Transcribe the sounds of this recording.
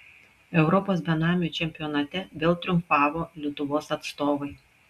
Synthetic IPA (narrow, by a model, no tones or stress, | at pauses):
ɛʊɾɔpoːsbʲɛnɑːmʲɪut͡ʃʲɛmʲpʲɪjɔːnɐt̪ʲɛʋʲeːlˠt̪ʲɾʲʊmpɑːʋoːlʲɪt̪ʊʋoːsɐt̪st̪oːʋɐɪ